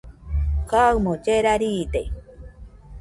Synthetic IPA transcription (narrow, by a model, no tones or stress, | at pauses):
kawmod͡ʒeɾaɾiːt̪ej